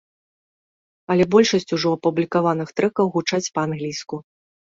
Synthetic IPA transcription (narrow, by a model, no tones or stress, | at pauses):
ɐlʲɛbɔlʲʂɐsʲt͡sʲuʐɔɐpublʲikavanɨxt̪ɾɛkɐwɣut͡ʂat͡sʲpɐanɣlʲijsku